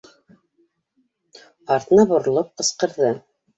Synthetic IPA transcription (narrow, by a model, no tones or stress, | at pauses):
ɑɾt̪nɑbŏɾ̆lˠɤp̚qɤ̆sqɤ̆ɾðɤ